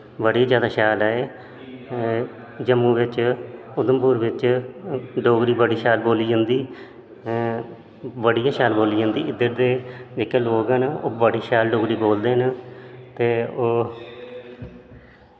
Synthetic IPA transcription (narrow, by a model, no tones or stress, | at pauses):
bəɽiːzjaːd̪aːʃaːlaːeː | d͡ʒəmːuːʋɪt͡ʃʊd̪əmpuːɾʋɪt͡ʃ | ɖoːɡɾiːbəɽiːʃaːlboːliːd͡ʒãːnd̪iː | bəɽijãːʃaːlboːliːd͡ʒãːnd̪iːɪd̪əɾd̪eːd͡ʒeːkeːloːɡɛːnoːbəɽiːʃaːlɖoːɡɾiːboːld̪eːɦənt̪eːoː